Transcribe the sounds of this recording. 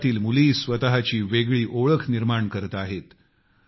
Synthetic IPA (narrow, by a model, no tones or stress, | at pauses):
t̪iːlmuliːsʋət̪aɦat͡ɕiːʋeɡɭiːʔoɭəkʰniɾmaɳkəɾt̪aɦet̪